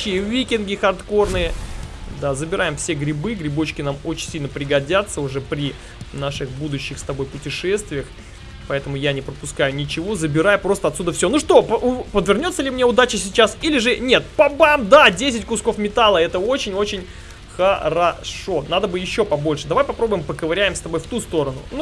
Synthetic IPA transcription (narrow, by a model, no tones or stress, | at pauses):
ɪjəvʲikʲɪnɡʲɪxɐrt̪ko̞rnɨjəd̪azəbʲɪɾʔajɪmfsʲeɡɾʲɪbɨɡɾʲɪbo̞t͡ɕkʲɪnamo̞t͡ɕɪnʲsʲilʲnəpɾʲɪɡɐdʲat̪sːəʊʐɛpɾʲɪ | naʂɨxbud̪ʊɕːɪxst̪ɐbo̞jpʊtʲɪʂɛst̪vʲɪjəx | pɐɛt̪əmʊjanʲɪpɾəpʊskajʊnʲɪt͡ɕɪvo̞zəbʲɪɾajʊpɾo̞st̪əɐt̪sʲud̪əfsʲonuʂt̪o̞pəpəd̪vʲɪrnʲo̞t̪sːəlʲɪmnʲe̞ʊd̪at͡ɕɪsʲɪt͡ɕasilʲɪʐɨnʲe̞t̪̚pɐbamd̪adʲesʲɪtʲkʊsko̞fmʲɪt̪alˠəɛt̪əo̞t͡ɕɪnʲo̞t͡ɕɪnʲ | xəɾɐʂo̞nad̪əbɨjɪɕːo̞pɐbo̞lʲʂɨd̪ɐvajpɐpɾo̞bʊjɪmpəkəvɐɾʲæjɪmst̪ɐbo̞jft̪ust̪o̞ɾənʊ̰nu